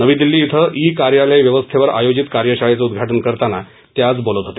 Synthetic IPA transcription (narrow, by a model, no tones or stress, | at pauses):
nəʋiːd̪ilːiːit̪ʰəʔikaɾjaləjʋjəʋəst̪ʰeʋəɾa̰jod͡ʑit̪kaɾjəɕaɭet͡səud̪ɡʱaʈənkəɾt̪ana | t̪jat͡sbolət̪ɦot̪e